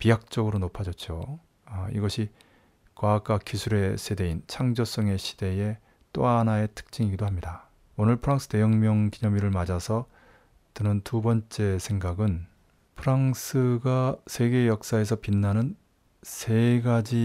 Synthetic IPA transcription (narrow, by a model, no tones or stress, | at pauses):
pijak̚t͡ɕ͈ʌɡɯɾonopʰad͡ʑʌt̚t͡ɕ͈o | ʌiɡʌɕʰi | kwaːk͈akisʰuɾe̞sʰe̞de̞int͡ɕʰaŋd͡ʑʌs͈ʌŋe̞ɕʰi̥d̥e̞e̞ | t͈oanae̞tʰɯ̥k̚t͡ɕ͈iŋiɡidoɦamɲida | onɯɭpʰɯɾaŋs͈ʰɯ̥te̞jʌŋmjʌŋkiɲʌmiɾɯɭmad͡ʑasʰʌ | tɯnɯntubʌnt͡ɕ͈e̞sʰe̞ŋɡaɡɯn | pʰɯɾaŋs͈ɯɡasʰe̞ɡe̞jʌk̚s͈ae̞s̬ʰʌpinːanɯn | sʰeɡad͡ʑi